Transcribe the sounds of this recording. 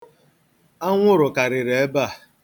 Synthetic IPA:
a˦ŋʷʊ˦ɾʊ˨ka˨ɾɪ˨ɾe˨e˦ba˦˨

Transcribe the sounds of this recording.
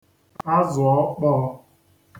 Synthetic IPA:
a˦zʊ˨ɔ˦k͡pɔ˦ɔ˦

